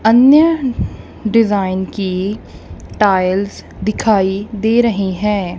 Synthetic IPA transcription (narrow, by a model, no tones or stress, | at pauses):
ɐnjə | ɖɪzaːɪnki | ʈaːɪlz | d̪ɪkʰaːid̪eːɾɐɦiɦɛ̃ː